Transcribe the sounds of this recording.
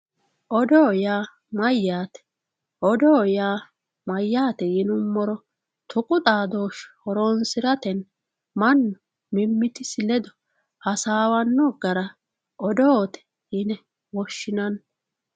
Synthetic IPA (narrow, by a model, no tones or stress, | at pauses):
ʔɔd̪oːjaː | mɐjːaːt̪ɛ̥ | ʔɔd̪oːjaː | mɐjːaːt̪ɛjɪnʊmːɔɾɔ | t̪ʰʊkʼʊt̪ʼaːd̪o̞ːʃhɔɾoːnsɪɾɐt̪ɛn | mɐnːɔ | mɪmːɪt̪ɪsɪlɛd̪ɔ̥ | hɐsaːwɐnːɔɡɐɾɐ | ʔɔd̪oːt̪ɛ̥ | hɪnɛ | wɔʃːɪnɐn